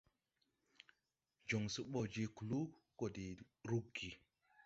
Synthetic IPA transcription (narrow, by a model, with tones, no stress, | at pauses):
d͡ʒo˨ŋsu˦ɓo˦d͡ʒe˦ku˨lu˦ | ko˨di˨ | ɾu˦ɡi˨